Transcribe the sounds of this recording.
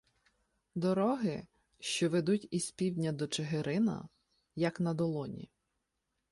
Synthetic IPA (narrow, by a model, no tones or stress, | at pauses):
d̪ɔɾɔɦɪ | ʃt͡ʃɔʋed̪utʲispʲiwdʲnʲɐd̪ɔt͡ʃeɦeɾɪnɐ̰ | jɐknɐd̪ɔlˠɔnʲḭ